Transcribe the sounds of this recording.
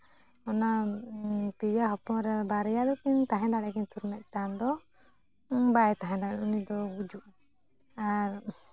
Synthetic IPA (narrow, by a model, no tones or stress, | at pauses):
ɔna | pijaɦɔpɔ̃ɾɛbaɾɛjad̪ɔkiɲt̪aɦɛ̃d̪aɽɛkiɲt̪uɾmɛʔ̚ʈand̪ɔ | bajt̪aɦɛ̃d̪aɽɛunid̪ɔɡud͡ʒuʔ | aɾ